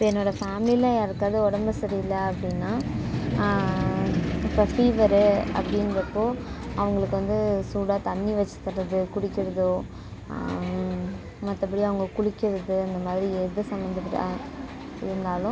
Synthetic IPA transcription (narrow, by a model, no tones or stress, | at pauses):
pːɛnːoːɽɐfaːmɪlilãːeɾɯkːaːðɯɔɽɐmbɐsɐɾiɪlːɐːpːɐɽɪnːaː | ɪpːɐfiːʋɐɾɯɐ̰pːɐɽɪnɾɐpːoːɐʋɐŋɡɐɭɯkːɯʋɐnd̪ɯsuːɽaːt̪ɐnːiʋɐt͡ʃːɯ̥t̪ːɐɾɐðɯkʊɽɪkːɪɾɐðo | mɐt̪ːɐp̬ːɐɽiɐʋɐŋɡɐkʊɽɪkʲːɪɾɐðɯɐnd̪ɐmaːðɪɾiɛðɯsɐmbɐnd̪ɐpɐʈː | ɪ̰ɾɯnd̪aːlʊ̃